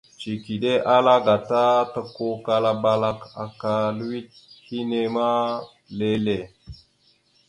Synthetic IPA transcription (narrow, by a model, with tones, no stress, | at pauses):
t͡ʃi˨ki˨ɗe˦ʔa˦la˦ɡa˨ta˦ta˨ko˦ka˨la˦ba˦la˦ka˨ka˨lu˦wi˦t̚hi˦ne˦ma˦ | le˦le˨